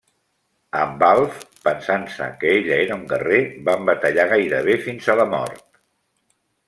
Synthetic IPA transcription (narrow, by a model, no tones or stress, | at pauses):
əmbalˠfpənsansə̰kəeʎəeɾəuŋɡərebambət̪əʎaɣajɾəβ̞efinzələmɔ̰ɾt̪̚